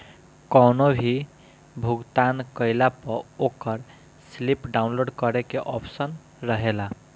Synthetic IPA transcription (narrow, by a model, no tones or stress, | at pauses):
kɔwnobʱi | bʱuɡt̪ankəɪlapʌokʌɾ | slipɖaʊnloɖkʌɾekeʔɔpʰsən | ɾəɦela